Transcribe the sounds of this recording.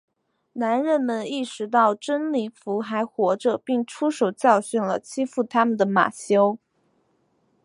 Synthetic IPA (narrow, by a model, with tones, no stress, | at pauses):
na˧˥nɻə˥˩nmə˧˥ni˥˩ʂɻ̩˧˥t̪̬ɑ˥˩ʊʈ͡ʂə˥nli˨˩fu˧˥xa˧˥ɪxwɔ˧˥ʈ͡ʂə˧pi˥˩ŋʈ͡ʂʰu˥ʂo˨˩ʊt͡ɕjɑ˥˧ʊɕy˥˩nlə˩t͡ɕʰi˥fu˥˩t̪ʰa˥mə˨nd̪ə˩ma̰˨˩ɕjo˥ʊ